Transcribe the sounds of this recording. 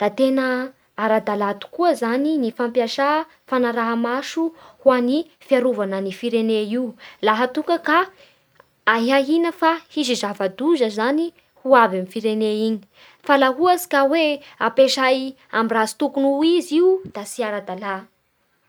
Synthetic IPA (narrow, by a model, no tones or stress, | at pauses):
d̪̥at̪enə | aɾad̪alat̪u̥kuəzaninifampijaʃa | fanaɾaɦamaʃuhuani | fiaɾuvanənifiɾeneilaɦət̪uŋkəkaː | ɦaɦinəfahizizavad̪uzəzani | huavamifiɾeneiɲi̥ | falaɦuasi̥kaweapeʃaj | amirazi̥t̪ukunuiziud̪̥asiaɾad̪ala